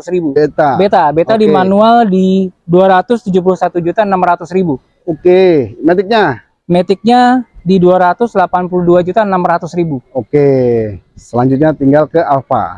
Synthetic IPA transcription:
sɾibuet̪abet̪abet̪adimanualdiduaɾat̪ʊst̪ud͡ʒup̬ulʊsat̪ud͡ʒut̪anamɾat̪ʊsɾibu | okemet̪ɪk̚ɲa | met̪ɪk̚ɲadiduaɾat̪ʊslapanpuluhduad͡ʒut̪anamɾat̪ʊsɾibuoke | səlaɲd͡ʒut̪̚ɲat̪iŋɡalkəalfa̰

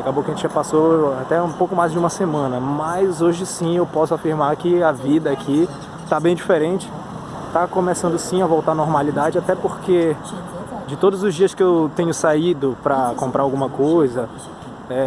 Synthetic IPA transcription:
akabokɪɐʒẽt͡ʃɪʒapasoat̪ɛũpowkʊmajzd͡ʒɪũmɐsemɐ̃nɐmɐjzoʒɪsĩewpɔsʊafiɾmaɾkɪavid̪ɐakʰi | t̪abẽj̃d͡ʒifeɾẽt͡ʃɪ̥ | t̪akõmesɐ̃nd̪ʊsĩavowt̪aɾnɔɾmalid̪ad͡ʒɪat̪ɛpoɾke | d͡ʒɪt̪od̪ʊzʊzd͡ʒiɐskɪewt̪ẽɲʊsaid̪ʊpɾɐkõmpɾaɾawɡũmɐkojzɐ | ɛ

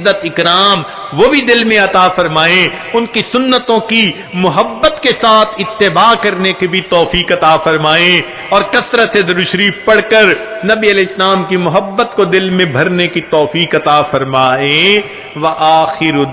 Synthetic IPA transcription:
ət̪ɪkɾaːm | ʋobʱid̪ɪlmẽɐt̪aːfɐɾmaːẽʊnkisʊnːət̪õki | mʊɦəbːət̪kesaːt̪ʰɪt̪ːɪbaːkɐɾnekebʱit̪ɔːfiːkɐt̪aːfɐɾmaːẽ | ɔːɾkɐsɾased̪ɐɾʊʃɾiːfpɐɽ̤kəɾnɐbiɐlɛːɪslaːmkimʊɦəbːət̪kod̪ɪlmẽbʱɐɾnekit̪ɔːfiːkɐt̪aːfɐɾmaːẽ | ʋɐʔaːxɪɾ

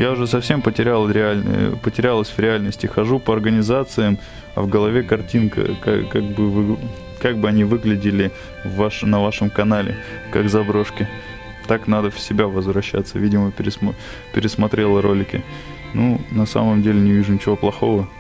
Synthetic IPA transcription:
jaʊʐɛsɐfsʲe̞mpətʲɪɾʲalˠəɾʲɪalʲn̰pətʲɪɾʲalˠəsʲvɾʲɪalʲnəsʲtʲɪxɐʐupəɐrɡənʲɪzat̪sɨjəm | ɐ̰vɡəlˠɐvʲekɐrtʲinkə̰ka̰ka̰ɡ̚bɨvɨ | kaɡ̚bɨɐnʲivɨɡlʲɪdʲɪlʲɪ | vaʂnɐvaʂəmkɐnalʲɪ̰ | kaɡzɐbɾo̞ʂkʲɪ | t̪aknad̪əfʲsʲɪbʲavəzvɾɐɕːa̰t̪səvʲidʲɪməpʲɪɾʲɪs | pʲɪɾʲɪsmɐt̪ɾʲe̞lˠəɾo̞lʲɪkʲɪ | nunɐsa̰məmdʲelʲɪnʲɪvʲiʐʊnʲɪt͡ɕɪvo̞plˠɐxo̞və

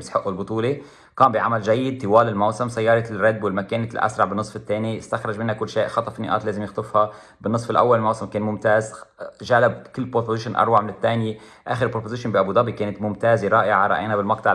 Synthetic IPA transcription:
bɪsħʊʔːulbʊt̪ˤuːle | kɑːmbiʕamalʒajːɪd̪̚t̪ɪwaːlɪlmawsɪmsajːɑːɾˤɑrad̪ːwɪlmakeːnlʔa̰sɾˤɑʕbɪnːɨsˤfɪt̪ːeːniɪst̪axɾˤɑʒmɪnhakʊlːʃeːʔxɑt̪ˤɑfinḭʔɑ̰ːt̪leːzɪmjɪxt̪ˤɨfhɑ | bɪnːɨsˤfɪlʔa̰wːalɪlmawsɪmkeːnmʊmt̪aːzʒaːlab̚kɪlːpɾopozɪʃʊnʔɑ̰ɾˤwaʕmɪnɪt̪ːeːnje | ʔa̰ːxɪɾpːɾopozɪʃʊnbiʔabud̪ɑbikeːnat̪mʊmt̪aːzeɾˤɑːʔɪʕaɾˤɑ̰ʔa̰ːnabɪlmɑq̚t̪ˤɑʕ

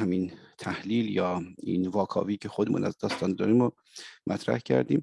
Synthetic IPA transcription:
hæmint̪ʰæhliːljɒːḭnvɒːkʰɒ̰ːviːcʰe̞xod̪emṵːnæzd̪ɒːst̪ɒːnd̪ɒːɾimo | mʔæt̪ʰɾæ̰hcʰæ̰ɾd̪ḭːm

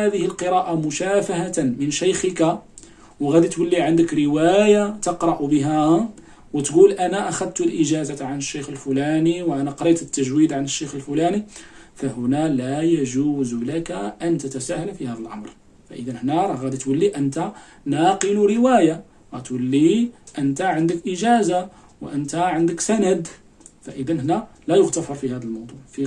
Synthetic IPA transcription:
æd̪əhəlqəɾˤɑʔamʊʃæfahat̪mənʃæjxəka | wɣæd̪it̪wəlːiʕand̪əkɾəwæjat̪əqɾˤɑʔbəɦæ | wət̪ɡulʔænæʔaxæd̪̚t̪lʔəʒæzaʕanəʃːejxəlfʊlæniwʔænæqɾˤɑt̪ət̪ːæʒwid̪ʕanəʃːejxəlfʊlæni | fæhʊnælæjæʒuzlækaʔənt̪ət̪æsæhəlfihæd̪əlʔɑ̰mɾ | fæ̰ʔəd̪ænhnæɾˤɣæd̪it̪wəlːiʔənt̪a | nɑqəluɾəwæja | ɣæt̪wəlːiʔənt̪aʕənd̪əkʔəʒæza | wʔənt̪aʕənd̪əksænæd̪ | fæʔəd̪ənhnælæjʊɣt̪afɑɾˤfihæd̪əlmɑwd̪ˤuʕfi

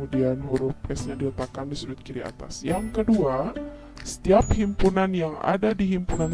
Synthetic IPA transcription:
udianhuɾʊp̚ɛsɲadiət̪akandisuɾʊt̪̚kiɾia̰t̪a̰sjaŋkədua | sə̥t̪iaphimpunanjaŋa̰dadiɦimpunan

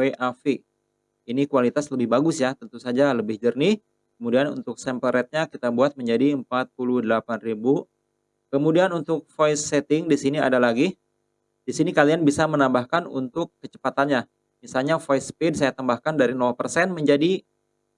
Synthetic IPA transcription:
eʔafi | inikualit̪asləbɪhbaɡʊsjat̪ənt̪usad͡ʒaləbɪhd͡ʒərni | kəmudianṵnt̪ʊk̚sɛmpəɾɛt̪̚ɲakit̪abuat̪̚məɲd͡ʒadiəmpat̪̚pulʊhdəlapanribu | kəmudianunt̪ʊk̚fojsɛt̪ɪŋdisinia̰dalaɡi | disinikalianbisamənambahkanṵnt̪ʊkːət͡ʃə̥pat̪anɲa | misalɲafojspid̚sajat̪ambahkandaɾinɔlpərsɛnməɲd͡ʒadi

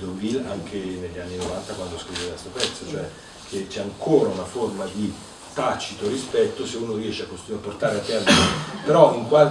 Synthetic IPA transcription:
d̪ovilaŋkʰeneʎːianːinovant̪akwand̪oskɾivekest̪opɛt̪sːot͡ʃoɛ | kʰet͡ʃɛaŋkʰoːɾaunaformad̪i | t̪at͡ʃːit̪oɾispɛt̪ːoseuːnoriɛʃeakːost̪inuapːort̪aːɾeat̪ːɛrd̪inpeɾɔiŋkwal

